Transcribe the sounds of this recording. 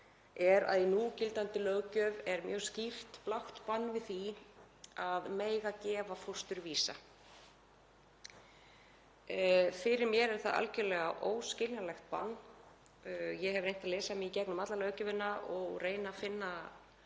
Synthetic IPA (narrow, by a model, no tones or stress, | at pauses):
ɛɾa̰ðjɛnucɪlt̪ant̪ɪlœɣcœvɛɾmjœːscir̥t̪plawht̪panːvɪðθi | aðmeːjɣacɛːvafust̪ʏɾviːsa̰ | fɪɾɪɾmjɛɾɛɾ̥θaða̰lcʏlɛɣaʔoːwscɪlnalɛxt̪̚pa̰nː | jɛɦɛvɾejnt̪aðlɛːsamiicɛknʏmat̪lalœwcʏvɪnːaʔɔɣreːjnafɪnːa